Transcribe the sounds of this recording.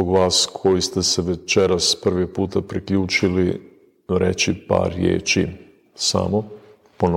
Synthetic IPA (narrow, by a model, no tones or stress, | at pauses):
oɡʋaːskʰo̞jist̪e̞seʋe̞t͡ʃeɾaspr̩ʋiɡ̚puːt̪apɾikʎuːt͡ʃili | ɾe̞t͡ʃipa̰ːɾjḛːt͡ʃḭ | sa̰mo | pon